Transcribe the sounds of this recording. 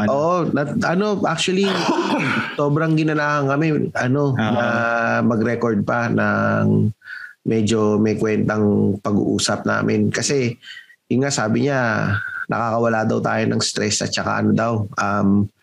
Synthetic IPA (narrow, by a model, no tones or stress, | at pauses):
ʔoːʔonɐʔɐno̞ʔa̰k̚t͡ʃwɐli | soːbɾɐŋɡɪnɐlaːhɐŋkɐmɛʔɐno̞nɐmɐɡɾɛkoɹd̪̚pɐnɐŋ | mɛd͡ʒo̞mɐjkwɛnt̪ɐŋpɐɡṵʔṵːsɐp̚na̰ːmʔɪnkɐsɛjʊŋːasaːbɪɲanʔɐ̰kakɐwɐlaːd̪ɐwt̪a̰ːjonɐ̰ŋst̪ɾɛsɐ̰t͡ʃɐka̰ʔɐ̰nod̪awʔɐm